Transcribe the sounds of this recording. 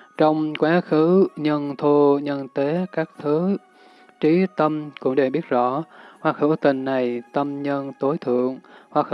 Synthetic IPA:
t͡ɕɔ˧wŋ͡mkwaː˨˦xɨ˨˦ɲə˧nt̪ʰo˧ɲə˧nt̪e˨˦kaː˦˥k̚t̪ʰɨ˨˦ | t͡ɕi˨˦t̪ə˧mkʊ̰˧˥ŋ͡mɗe˨˩ɓi˦˥ət̚zɔ̰˧˥˨hwaː˧˩xɨ̰˧˩t̪ï˨˩ŋ̟na˨˩jt̪ə˧mɲə˧nt̪o˨˦jt̪ʰɨ̰˧˨əŋhwaː˧˩x

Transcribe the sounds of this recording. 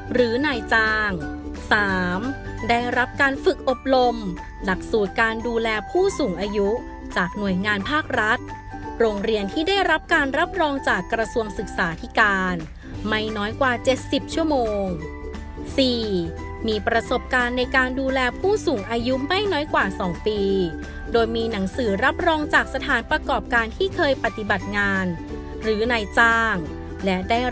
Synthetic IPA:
ɾɯː˩˦naː˧jt͡ɕaː˧ŋsaː˩˦m | daː˥˩jɾa˦˥p̚kaː˧nfɯ˨˩k̚ʔo˨˩p̚ɾo˧m | la˨˩k̚suː˨˩t̪̚kaː˧nduː˧lɛː˧pʰuː˥˩suː˩˦ŋʔaː˧ju˦˥ | t͡ɕaː˨˩k̚nu˨˩əjŋaː˧npʰaː˥˩k̚ɾa˦˥t̪̚ | ɾoː˧ŋɾi˧ənt̪ʰiː˥˩daː˥˩jɾa˦˥p̚kaː˧nɾa˦˥p̚ɾɔː˧ŋt͡ɕaː˨˩kːɾa˧su˧əŋsɯ˨˩k̚saː˩˦t̪ʰi˦˥kaː˧n | ma˥˩jnɔː˦˥jkwaː˨˩t͡ɕe˨˩t̪̚si˨˩p̚t͡ɕʰu˥˩əmoː˧ŋ | siː˨˩ | miː˧pɾa˧so˨˩p̚kaː˧nːa˧jkaː˧nduː˧lɛː˧pʰuː˥˩suː˩˦ŋʔaː˧ju˦˥ʔma˥˩jnɔː˦˥jkwaː˨˩sɔː˩˦ŋpiː˧ | doː˧jmiː˧na˩˦ŋsɯː˩˦ɾa˦˥p̚ɾɔː˧ŋt͡ɕaː˨˩k̚sa˧t̪ʰaː˩˦npɾa˧kɔː˨˩p̚kaː˧nt̪ʰiː˥˩kʰɤː˧jpa˨˩t̪i˨˩ba˨˩t̪̚ŋaː˧n | ɾɯː˩˦na˧jt͡ɕaː˥˩ŋ | lɛ˦˥daː˥˩j

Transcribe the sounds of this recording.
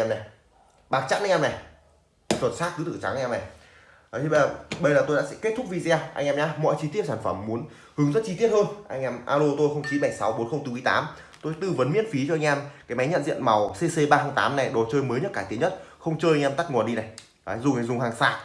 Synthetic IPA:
ɛ˧mna˨˩ | ɓaː˨˩k̚t͡ɕa̰˦˧˥n̚a˧jŋʔɛː˧na˨˩j | swə˨˩t̚saː˦˥t̚kɨ˨˦ɨ˧˩t͡ɕa˨˦ŋa˧ŋ̟ɛː˧mna˨˩j | ʔt̪ʰi˧˩˧ɓə˧jlaː˨˩t̪o˧jɗa̰ː˧˥sɛ̰˧˥ke˦˥t̪̚ʰʊ˦˥k̚vi˧˩zɛ˧ʔa˧jŋʔɛː˧mɲaː˧mɔ̰˧˨jt͡ɕi˧t̪i˦˥əp̚saː˧˩nfə˧˩mːu˨˦ən | hɨ˨˦ŋzə˦˥t̚t͡ɕi˧t̪i˦˥ət̚həː˧nʔa˧jŋ̟ʔɛ˧mʔaː˧lo˧t̪o˧jxə˧wŋ͡mt͡ɕi˨˦ɓa˧˩jsa˨˦wɓo˨˦nxə˧wŋ͡mt̪ɨ˧kːjt̪a̰ː˨˦m | t̪o˧jt̪ɨ˧˩və˨˦nmḭ˧˥ənfi˨˦t͡ɕɔ˧ʔa˧ŋ̟ʔɛ˧mkaː˨˦jma˨˦jɲə̰˧˨nzḭ˧˨ənma˨˩wse˧se˧ɓaː˧həː˧ŋt̪aː˨˦mna˨˩jɗɔ˨˩t͡ɕəː˧jməː˨˦jɲə˦˥t̚kaː˧˩i˨˦ɲə˦˥t̚xə˧wŋ͡mt͡ɕəː˧ja˧ŋʔɛ˧mt̪a˦˥ŋu˨˩ənɗi˧na˨˩j | zʊ˨˧˩ŋa˨˩zʊ˨˩ŋ͡mɦaː˨˩ŋsaː˧˥k̚

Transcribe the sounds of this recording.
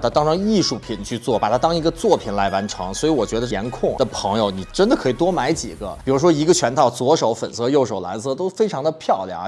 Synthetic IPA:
t̪ʰa˥t̪ɑ˥ŋʈ͡ʂʰɤ˧˥ŋi˥˧ʂu˥˩pʰi˨˩˦nt͡ɕʰy˥˧t͡swɔ˥˩pa˨˩t̪ʰa˥t̪ɑ˥ŋi˧˥ɡə˧t͡swɔ˥˩pʰi˨˩nla˧˥ɪwa˧˥nʈ͡ʂʰɤ̰˧˥ŋswɔ˧˥i˧˥wɔ˨˩t͡ɕɥɛ˧˥d̪ə˧jɛ̰˧˥nkʰʊ˥˩ŋd̪ə˨˩pʰɤ˧˥ŋjo˧ʊni˨˩ʈ͡ʂə˥nd̪ə˨˩kʰɤ˧˥i˨˩t̪wɔ˥ma˧˥ɪt͡ɕḭ˨˩ɡə̰˧˦pi˨˩ɻu˧˥ʂwɔ˥i˧˥ɡə˧t͡ɕʰɥɛ˧˥nt̪ʰɑ˥˩ʊt͡swɔ˧˥ʂo˧˥ʊfə˨˩nsɤ˧˥jo˥˩ʊʂo˨˩ʊla̰˧˥nsɤ˥t̪o˥ʊfe˥ɪʈ͡ʂʰɑ˧˥ŋd̪ə˧pʰjɑ˥˧ʊljɑ̰˨˩ŋ

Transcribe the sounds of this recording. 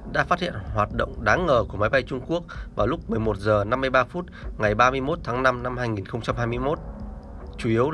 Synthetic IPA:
ɗa̰ː˧˥faː˦˥t̚hḭ˧˨ənhwaː˨˩t̚ɗə̰˧˨wŋ͡mɗaː˨˦ŋŋəː˨˩ku˧˩əma˨˦jɓa˧jt͡ɕʊ˧ŋ͡mku˦˥ək̚vaː˨˩wlʊ˦˥k͡p̚mɨ˨˩əjmo˨˩t̚zəː˨˩na˧mːɨ˧əjɓaː˧fu˦˥t̚ŋa˨˩jɓaː˧mɨ˧əjmo˦˥t̚t̪ʰaː˨˦ŋna˧mna˧mhaː˧jŋi˨˩nxə˧wŋ͡mt͡ɕa˧mɦaː˧jmɨ˧əjmo˦˥t̚ | t͡ɕu˨˧˩ʔi˨˦əw

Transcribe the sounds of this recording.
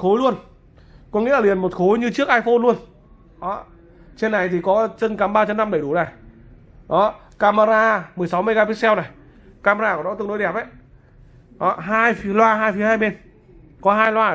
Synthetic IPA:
xo˨˦jlu˧ən | kɔ˧˦ŋḭ˧˥˨li˨˩ənmo˨˩t̚xo˨˦jɲɨ˧t͡ɕɨ˦˥ək̚ʔaː˧jfo˧nlu˧ən | ɗɔ˨˦ | t͡ɕe˧nːa˨˩jt̪ʰi˨˩kɔ˨˦t͡ɕə˧nka˨˦mɓaː˧t͡ɕə˧mna˧mɓə˧˩jɗu˧˩na˨˩j | ɗɔ˨˦ | kaː˧maː˧zaː˧mɨ˨˩əjsa˨˦wmɨ˧jɣaː˧pi˧˥sɛ˧wna˨˩j | kaː˧maː˧zaː˧kːɗɔ˨˦ɨ˧˩ŋno˨˦jɗɛ˨˩p̚ʔa˨˦j | ɗɔ˨˦ɦaː˧jfi˨˦lwaː˧ɦaː˧jfi˨˦haː˧jɓe˧˩n | kɔ˨˦ɦaː˧jlwaː˧

